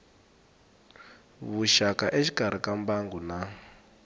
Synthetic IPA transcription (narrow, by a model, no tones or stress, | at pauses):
βuʃakaʔeʃi̥kʼaɾ̤ikambaŋɡuna